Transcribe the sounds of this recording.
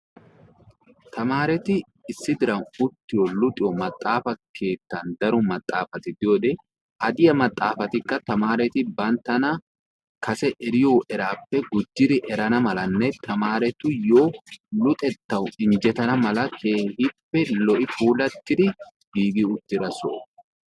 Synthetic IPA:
t̪ʰɐmaːɾɛt̪ɪː | sːɪd̪ɪɾɐnʊt̪ːɪjɔlʊt̪ʼɪjɔmɐt̪ʼːaːfɐkʰe̞ːt̪ːɐnd̪ɐɾʊmɐt̪ʼːaːfɐt̪ɪd̪ɪjoːd̪ɛ | ʔɐd̪ɪjɐmɐt̪ʼːaːfɐt̪ɪkːɐt̪ɐmaːɾɛt̪ɪbɐnt̪ːɐnɐ | kʰɐsɛʔɛɾɪjoːʔɛɾaːpːɛɡʊd͡ʒːɪd̪ɪʔɛɾɐnɐmɐlɐnːɛt̪ʰɐmaːɾɛt̪ʊjoːlʊt̪ʼɛt̪ːɐwɪnd͡ʒɛt̪ɐnɐmɐlɐkʰeːhɪpːɛlɔʔɪfuːlɐt̪ːɪd̪ɪ | ɡiːɡɪʊt̪ːɪɾɐso̰ː

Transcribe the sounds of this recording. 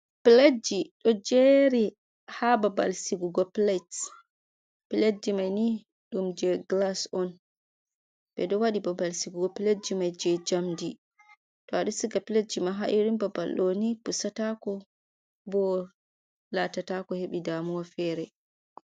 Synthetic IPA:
plad͡ʒiɗɔd͡ʒeɾi | hababa̰lsiɡuɡɔplat | piledimajni | ɗumd͡ʒɛɡlasɔn | bɛ̰ɗɔwaɗibabalsiɡuɡɔpiled͡ʒimajd͡ʒɛd͡ʒamdi | tɔaɗusiɡapilad͡ʒimaɦaʔuɾimbabalɗɔnipusatakɔ | bɔ | latatakɔheɓidamuwafɛɾɛ

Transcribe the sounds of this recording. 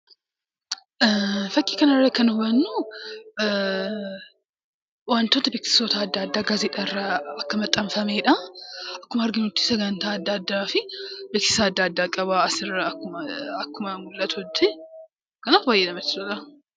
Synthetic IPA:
fɐkʼːiːkɐnɐrːɐkɐnʊbɐnːu | wɐnt̪oːt̪ɐbeːksɪ̥soːt̪ɐːd̪ːaːd̪ːaːɡaːzet̪ʼɐrːaɐkːɐmɐt̪ʼːɐmfɐmeːᶑɐɐkːʊmɐːɾɡɪnʊt̪ːɪ̥sɐɡɐnt̪aːɐd̪ːad̪ːaːfɪbeːksɪ̥saːd̪ːaːɐd̪ːaːkʼɐβaːɐsɪrːɐʊɐɐkːʊmɐmʊlːɐt̪ʊɔd̪ːe | kɐnaːfbaːjːeᶑɐmɐt̪ːɪsʊᶑɐ

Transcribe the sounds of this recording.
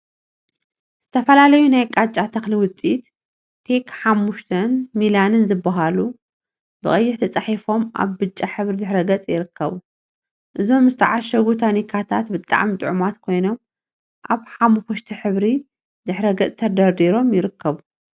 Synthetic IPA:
z̥ɨt̪ʰɐfɐlalɐjunajkʼat͡ʃʼat̪ʰɐxliwʊt͡sʼit̪ | t̪ʰe̞kʰħamːuʃt̪ʰɐnmilanɨnzɨbːaɦalu | bɨχʼɐjːɪħt̪ʰɐt͡sʼaħifo̞mʔa̰βbɨt͡ʃʼːaħɨβɾid̪ɨħɾɐɡɐt͡sʼjɪɾɨkʰːɐβu | ʔɨzo̞mzɨt̪ʰaʕaʃɐɡut̪ʰanikʰat̪ʰat̪bɨt̪ʼa̰ʕmit̪ʼɨʕumat̪kʰo̞jno̞m | ʔaβħamxoʃt̪ʰiħɨβɾi | d̪ɨħɾɐɡɐt͡sʼt̪ʰɐd̪ɐɾd̪iɾo̞mjɪɾɨkʰːɐβu

